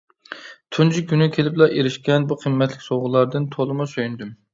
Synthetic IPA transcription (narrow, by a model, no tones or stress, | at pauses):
t̪ʰund͡ʒʰikʲynykʲʰelɪplˠɑʔeɾɪʃkʲɛnbuqʰəmːɛt̪ʰlɪkʲsoʁʊlˠɑɾd̪ɨnt̪ʰolˠɨmusøjynd̪ym